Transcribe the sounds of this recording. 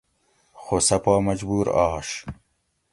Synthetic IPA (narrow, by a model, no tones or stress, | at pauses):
xosɐpaːmɐd͡ʑbuːɾa̰ʂ